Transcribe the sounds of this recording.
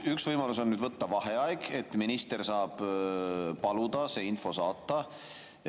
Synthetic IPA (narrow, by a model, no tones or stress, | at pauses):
yksvɤjmɑluso̞nnyːd̪vɤt̪ːɑvɑɦeɑjɡ̥e̞t̪ːˑminist̪ersɑːb̥ | pɑlud̪̥ɑse̞ːinfo̞sɑːt̪ˑːɑ